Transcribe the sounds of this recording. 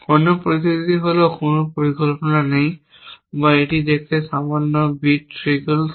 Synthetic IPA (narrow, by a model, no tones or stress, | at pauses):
kɔnupoɹisitit̪iɦolokʊnupoɹikɔlpɔnanaj | baetidekʰɛsamɔnːɔbitɹikəl